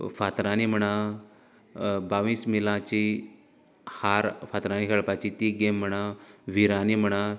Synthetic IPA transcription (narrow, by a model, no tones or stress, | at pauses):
fat̪ɾanim̤əɽã | baʋiːsmilãt͡ɕi | haɾfat̪ɾanikʰəɭpat͡ɕit̪iɡem̤ːəɽ̃ãʋiɾanim̤əɽ̃a